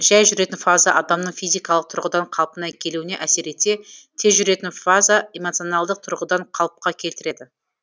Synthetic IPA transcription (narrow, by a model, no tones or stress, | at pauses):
ʒæjʒʏɾe̞t̪ɪnfazaʔɑd̪ɑmnəɴfijzʲijkɑlˠəq̚t̪ʰʊɾʁəd̪ɑɴqʰɑlˠpənɑjkʲʰe̞luwɪne̞ʔæse̞ɾe̞t̪e̞t̪ʰe̞zʒʏɾe̞t̪ɪnfazaemo̞t̪sio̞nɑlˠd̪əq̚t̪ʰʊɾʁəd̪ɑɴqʰɑlˠəp̚qɑkʲʰe̞lt̪ɪɾe̞d̪ɪ